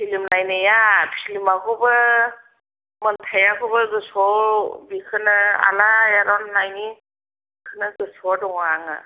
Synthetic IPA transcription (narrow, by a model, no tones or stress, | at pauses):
pʰilimnajnɯjapʰilimakʰubɯ | mɯntʰajakʰubɯɡɯsɔbikʰɯnɯa̰lajaɾɔnːajni | bkʰɯnɯɡɯsɔdɔŋaŋa̰